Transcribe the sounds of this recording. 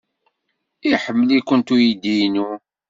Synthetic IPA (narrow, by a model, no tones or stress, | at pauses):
iħəmːəlikːənt̪ujid̪inu